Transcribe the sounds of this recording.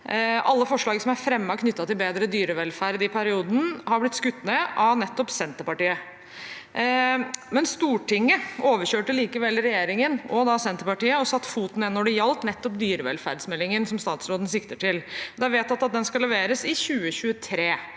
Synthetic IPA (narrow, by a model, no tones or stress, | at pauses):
ɑlːəfɔʂɭɑːɡəsɔmæɾfɾɛmːɑkʰnʏt̪ːɑt̪ɪlbeːd̪ɾəd̪yːɾəʋɛlfæɾd̪ɪpʰæɾɪuːd̪n̩hɑɾblɪt̪skʉt̪ːnəʔɑnɛt̪ːɔpsɛnt̪əɾpɑʈiːə | mɛnst̪uːʈɪŋːəoːʋəɾçøːʈəliːkəʋɛlɾɛjeːɾɪŋənɔd̪ɑsɛnt̪əɾpɑʈiːəɔsɑt̪ːfuːt̪nɛnːɔɖɛjɑlt̪nɛt̪ːɔpd̪yːɾəʋɛ̰lfæ̰ɾd̪smɛlːɪŋənsɔmst̪ɑːt̪sɾoːd̪n̩sɪkt̪əʈʰɪld̪æʋeːt̪ɑt̪ɑt̪̚d̪ɛnskɑlɛʋeːɾəsɪçʉːəɕʉət̪ʰɾeː